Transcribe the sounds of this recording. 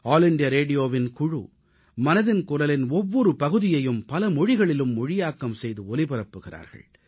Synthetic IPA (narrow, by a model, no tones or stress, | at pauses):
aːlɪɳɖɪjɐɾeːɖɪjoːʋɪnkʊɻṵ | mɐnɐðɪnkʊɾɐlɪnɔʋːɔɾɯpɐɣɯðɪjɐjɯmpɐlɐmɔɻɪɣɐɭɪlɯmːɔɻɪjaːkːɐmsɛjðɯɔlɪpɪɾɐpːɯɣɪra̰ːɾɣɐ̰ɭ